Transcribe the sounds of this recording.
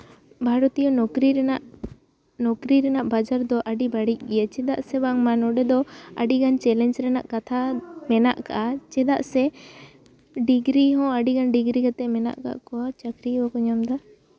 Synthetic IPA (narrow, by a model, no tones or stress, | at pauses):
bʱaɾɔt̪ijɔnɔkɾiɾɛnaʔ | nɔkɾiɾɛnaʔbad͡ʒaɾd̪ɔʔaɖibaɽic̚ˀɡɛjat͡ʃɛd̪a̰ʔsɛbaŋmanɔɖɛd̪ɔaɖiɡant͡ʃɛlɛnd͡ʒɾɛnaʔkat̪ʰamɛnaʔka̰ʔat͡ʃɛd̪a̰ʔsɛ | ɖiɡɾiɦɔ̃aɖiɡanɖiɡɾiɡat̪ɛmɛna̰ʔka̰ʔkɔat͡ʃakɾiɔkuɲamd̪a